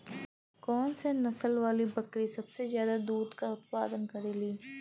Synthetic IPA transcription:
kɔːnsenɐsəlʋaːlibɐkɾisɐbsezjaːd̪ad̪uːd̪kaʊt̪̚pa̰ːd̪ənkɐɾeːliː

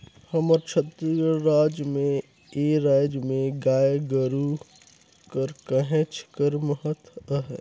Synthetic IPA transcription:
hɐməɾt͡ʃʰət̪ɾiəɾaːd͡ʒmẽ | eːɾaːd͡ʒmẽɡaːjɡəɾu | kəɾkəɦẽt͡ʃkəɾməɦət̪əɦɛ

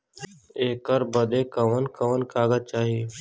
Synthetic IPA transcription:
eːkəɾbəd̪ekəʋənkəʋənkaːɡət͡ʃaːɦieː

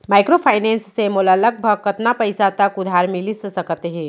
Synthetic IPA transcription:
majkɾopʰajnensːemolələk̚bʱəkːət̪napəjsat̪əkud̪ʱaɾmilissəkət̪ɦẽ

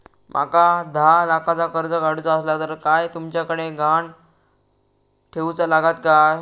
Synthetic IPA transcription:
mʔa̰kad̪ʱalakat͡sakəɾd͡zəɡaɽ̤ut͡saəslat̪əɾkajt̪umt͡ɕjakəɽ̃eɡʱaɳ | ʈʰeut͡salaɡat̪̚ka

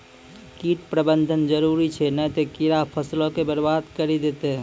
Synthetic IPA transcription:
kiʈpɾəbənd̪ʱənd͡ʒəɾuɾit͡ʃʰɛnɛt̪ekiɾapʰəslõkebəɾbad̪kəɾid̪et̪e

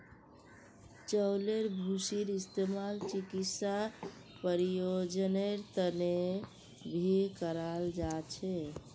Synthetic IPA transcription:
t͡ʃəwleɾbʱusiɾist̪emalt͡ʃikitsa | pəɾijod͡ʒəneɾt̪əne | bʱikəɾald͡ʒat͡ʃʰɛ

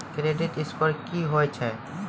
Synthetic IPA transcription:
kɾeɖɪʈɪspəɾkiɦoet͡ʃʰɛ

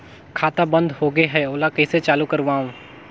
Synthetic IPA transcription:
kʰaːt̪abɐ̃nd̪hoːɡeɦɛoːlakɐiset͡ʃaːlukɐɾʋaːũ

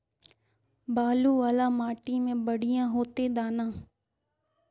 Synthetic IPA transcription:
baːluːʋaːlaːmaːʈimẽːbəɽijãːɦoːt̪ed̪aːnãː

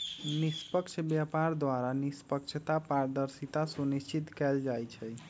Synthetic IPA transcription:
nispəkt͡ʃʰbjapaɾd̪waɾanispəkt͡ʃʰt̪apaɾd̪əɾsit̪asunit͡ʃit̪kɛld͡ʒajt͡ʃʰɛ

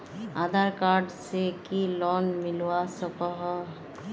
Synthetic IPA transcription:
aːd̪ʱaːɾkaːɾɖsekilɔːnmɪlwasəkɔɦɔ

